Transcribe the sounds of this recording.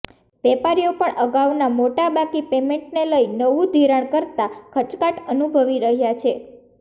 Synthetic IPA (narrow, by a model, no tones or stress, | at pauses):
ʋɛpaɾijopəɳʔəɡaʋnamoʈabakipemeɳʈneləinəʋũd̪ʱiɾaɽ̃kəɾt̪akʰət͡ʃkaʈənubʱəʋiɾəɦjat͡ʃʰe